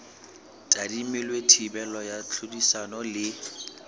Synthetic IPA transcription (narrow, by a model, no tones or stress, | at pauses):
tʼadimɪlwetʰibɛlɔjat͡ɬʰudisanɔlɪ